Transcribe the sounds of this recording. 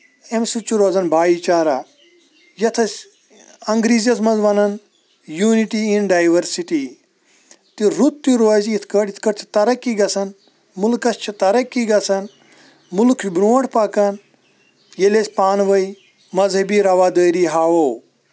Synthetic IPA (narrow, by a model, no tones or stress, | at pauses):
emsut͡ʃːuɾoːzɐnbʱaːiːt͡ʃaːɾaː | jɐt̪ʰɐsʲ | ɐŋɡɾiːzɐsmɐnzʋɐnɐn | juːniʈiinɖaːjʋɐɾsiʈi | t̪iɾut̪ːjuɾʋɐziit̪ʰkəɽit̪ʰkɐɾt̪ʰi̥t̪ɐɾɐkːiɡɐsɐn | mulkɐsʲt͡ʃʰit̪ɐɾɐkːiɡɐsɐn | mulkʰt͡ʃbɾoːɳʈʰpɐkɐn | jelesʲpaːnʋɐi | mɐzɦɐbiːɾɐʋaːd̪əːɾiːɦaːwow